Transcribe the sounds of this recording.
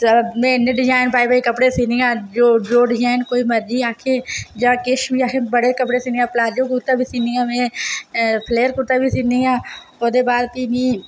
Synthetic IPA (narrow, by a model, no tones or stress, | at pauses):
mẽːneɖɪd͡ʒaːɪnpaːibəːikəpɽeːsiːnijãːd͡ʒoːd͡ʒoːɖɪd͡ʒaːɪnkoːiːməɾd͡ʒiːaːkʰeːd͡ʒãːkɪʃbʱiːaːkʰẽːbəɽeːkəpɽeːsiːnĩãːplaːd͡ʒõːkuɾt̪aːbʱiːsiːniːãːmẽː | pʰleːəɾkuɾt̪aːbʱiːsiːniːãː | oːd̪eːbaːd̪k̪iːniː